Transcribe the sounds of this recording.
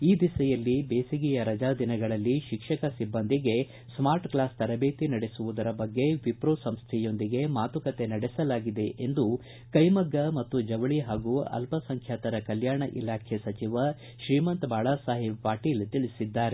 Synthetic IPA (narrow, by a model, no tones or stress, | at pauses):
iːd̪isɐjɐlːibeːsiɡijɐɾɐd͡ʒaːd̪inɐɡɐɭɐlːiʃikʂɐkɐsibːɐnd̪iɡe̞ | smaːɾʈklaːst̪ɐɾɐbeːt̪inɐɽe̞suʋud̪ɐɾɐbɐɡːe̞ʋipɾoːsɐmst̪ʰɛjo̞nd̪iɡe̞maːt̪ukɐt̪e̞nɐɽesɐlaːɡid̪e̞ʔend̪u | kɐjmɐɡːɐmɐt̪ːud͡ʒɐʋɐɭiɦaːɡuɐ̰lpʰɐsɐŋkʰjaːt̪ɐɾɐkɐljaːɳɐʔḭlaːkʰesɐt͡ʃiʋɐ | ʃɾiːmɐnt̪baːɭaːsaːɦibpaːʈiːlt̪iɭisid̪ːaːɾe